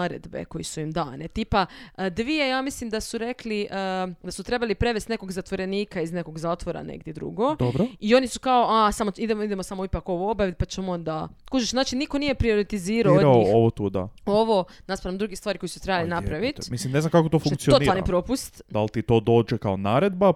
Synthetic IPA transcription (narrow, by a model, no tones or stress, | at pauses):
aɾḛd̪bḛko̞jisuimd̪aːnet̪iːpad̪ʋiejaːmislimd̪asuɾekliʔəd̪asut̪ɾe̞balipɾe̞ʋest̪ne̞ko̞ɡzat̪ʋo̞ɾe̞niːkaizne̞ko̞ɡzaːt̪ʋo̞ɾa̰nḛɡd̪jed̪ɾṵɡo̞d̪obɾoio̞nisu̥kaoʔasamoid̪emid̪emosamo̞ipako̞ʋoobjaʋit̪̚pat͡ʃemond̪akuːt͡ʃeʃzaːt͡ʃiniko̞nije̞pɾio̞ɾit̪iziːɾaooɾaoioʋot̪uːd̪a̰o̞ʋo̞ | naspaɾamd̪ɾuɡist̪ʋaːɾiko̞jisut̪ɾebalinapɾaʋit̪mislimneznamkakot̪ofuŋk̪tsioonianipɾo̞pust̪d̪a̰lˠt̪it̪oːd̪o̞ːd͡ʒekaonaːɾed̪ba